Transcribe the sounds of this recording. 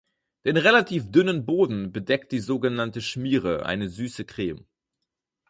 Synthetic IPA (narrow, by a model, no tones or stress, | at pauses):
d̥eːnʁelatʰiːfd̥ʏnənboːdn̩bədɛk̚t̚d̥iːzoːɡənantəʃmiːʁəʔa̰ɪnəzyːsəkʁ̥eːm